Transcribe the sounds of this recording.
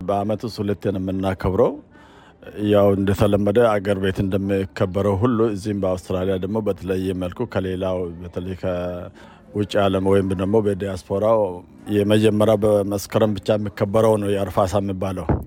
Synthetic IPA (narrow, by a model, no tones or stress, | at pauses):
bəamət̪wust̪hulət̪ːenɨmːɨnːakʰəβɾəw | jawɨnd̪ət̪ʰələmːəd̪əaɡəɾbe̞t̪ɨnd̪əmːɨkʰːəbːəɾəwɦulːuɨzːihmbəawst̪ɨɾalijad̪əɡmo̞bət̪ʰələjːɛməlkʰukʰəlelawbət̪ʰələjkʰə | wʊt͡ʃʼialəmwɔjɪmd̪əɡmo̞bəd̪ijaspʰo̞ɾaw | jɛməd͡ʒɛmːəɾabəməskʰəɾəmbɨt͡ʃːajɛmːikːəbːəɾəwnəwjɛaɾfasajɛmːibːaləw